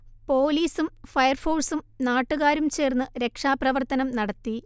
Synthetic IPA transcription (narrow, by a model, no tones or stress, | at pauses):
po̞ːliːsumfɐjɐrfoːlsumnaːʈːuɣaːɾumt͡ɕe̞ːrnːɨɾe̞kʂaːprɐʋɐrt̪ɐnɐmnɐɽɐt̪ːi